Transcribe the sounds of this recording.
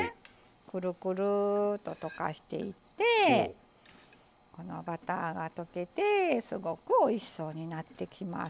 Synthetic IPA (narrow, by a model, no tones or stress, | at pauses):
kɯ̟ɾɯ̟kɯ̟ɾɯ̟t̪o̞t̪o̞ka̰ɕi̥t̪e̞̰it̪ːe̞ | ko̞no̞̰bat̪a̰ɡat̪o̞ke̞t̪e̞sɨɡo̞kɯ̟oiɕi̥so̞ːɲ̟inat̪ːe̞kʲima̰